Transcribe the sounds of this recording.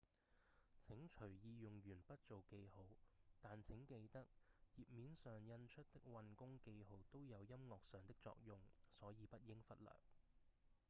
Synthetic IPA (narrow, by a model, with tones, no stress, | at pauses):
t͡sʰɪ˨˥ŋt͡ʃʰɵ˨˩ɥjiː˧jʊ˨ŋjyː˨˩npɐ˥t̚t͡ʃt͡so˨wke˧jho˨˥wt̪aː˨nt͡sʰɪ˨˥ŋke˧jt̪ɐ˥k̚jiː˨˩p̚miː˨˥nsœː˨˩ŋjɐ˧nt͡ʃʰɵ˥t̚t̪ɪ˥k̚wɐ˧nkʊ˥ŋke˧jɦo˨˧wt̪o˥wjɐ˨˧wjɐ˥mŋɔː˨k̚sœː˨ŋt̪ɪ˥k̚t͡sɔ̰ː˧k̚jʊ˧ŋsɔː˨˥jiː˨˧pɐ˥t̚jɪ˥ŋfɐ˥t̚lœ̰ː˨˩k̚